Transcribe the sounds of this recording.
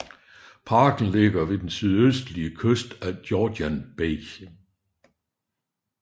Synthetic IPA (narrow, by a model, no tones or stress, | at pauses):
pʰɑ̈ːɡ̥n̩le̝ɡ̥ɐʋe̝d̥ensyð̞ˠøsd̥liəkʰøsd̥æd̥jɒːdænb̥e